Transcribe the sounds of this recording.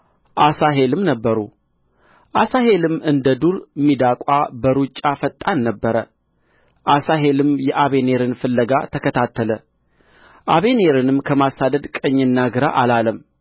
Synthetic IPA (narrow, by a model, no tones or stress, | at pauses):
ʔasaɦe̞lɨmnəbːəɾu | ʔasaɦe̞lɨmɨnd̪əd̪uɾmːid̪akʼabəɾut͡ʃʼːafət̪ʼːanːəbːəɾə | ʔasaɦe̞lɨmjɛʔaβe̞ne̞ɾɨnfɨlːəɡa̰t̪ʰəkʰət̪ʰat̪ʰːələ | ʔaβe̞ne̞ɾɨnɨmkʰəmasad̪əd̪kʼəɲːɨnːaɡɨɾa̰ʔalaləm